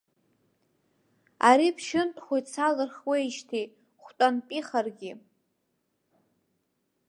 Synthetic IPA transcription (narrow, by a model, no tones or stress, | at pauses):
aɾipʰʃɪntʼχʷojt͡sʰalɨrχwejʃtʰi | χʷtʼanpʼiχarɡʲɪ